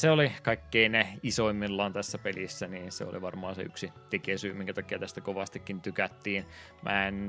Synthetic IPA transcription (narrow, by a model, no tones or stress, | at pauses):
seolikɑikːeineisoimːillɑnt̪æsːæpelisːæniːnsḛo̰lḭʋɑrmɑːnsḛy̰ksit̪ekesyːmiŋkæt̪ɑkːiɑt̪æst̪ækoʋɑst̪ikːint̪ykæt̪ːiːn | mʔæ̰en